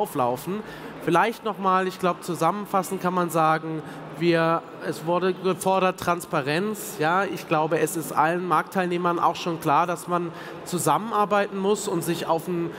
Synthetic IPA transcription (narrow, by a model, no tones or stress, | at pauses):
ʊflaʊfn̩ | fɪlaɪçtnɔχmaːlɪçɡ̥laʊbət͡suzamənfasn̩kʰanmanzaːɡŋ̩ | viːɐ | ʔɛsv̥ʊɐdəɡəfɔɐɾɐtːʁ̥anspaʁɛnt͡s | jaːʔɪçɡ̥laʊbəɛsɪstʔa̰lənmaɐk̚tʰːaɪlneːmɐnʔa̰ʊxʃoːnkl̥aːɐdasman | t͡suzamənʔaɐbaɪtn̩mʊsʊntz̥ɪça̰ʊfn̩